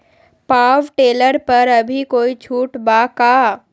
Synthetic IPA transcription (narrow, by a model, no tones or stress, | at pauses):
paːʋʈeːləɾpɐɾɐbʱikoːit͡ʃʰuːʈbaːkaː